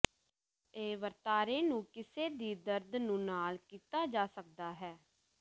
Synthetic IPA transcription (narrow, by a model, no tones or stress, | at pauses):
eːʋəɾt̪aːɾeːnũːkɪseːd̪iːd̪əɾd̪nũːnaːlkiːt̪aːd͡ʒaːsək̚d̪aːɦɛː